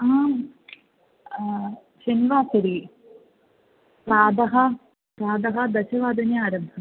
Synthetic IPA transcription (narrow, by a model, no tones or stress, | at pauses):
aː | ɕɐniʋaːkɐɾi | pɾaːd̪ɐɦɐ | pɾaːd̪ɐɦɐd̪ɐɕɐʋaːd̪ɐnjɐaːɾɐbʱɐ